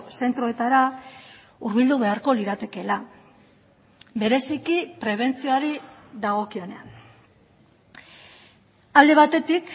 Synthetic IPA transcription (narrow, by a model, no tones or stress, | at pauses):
se̞nt̪ɾo̞e̞t̪aɾa | uɾβild̪uβe̞aɾko̞liɾat̪e̞ke̞la | be̞ɾe̞sikipɾe̞β̞e̞nt͡sioaɾiðaɣ̞o̞kio̞ne̞an | ald̪e̞β̞at̪e̞t̪ik